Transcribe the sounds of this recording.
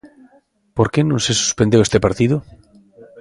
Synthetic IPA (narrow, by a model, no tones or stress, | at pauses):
poɾkenõŋsesu̥spend̪ewest̪epaɾt̪iðo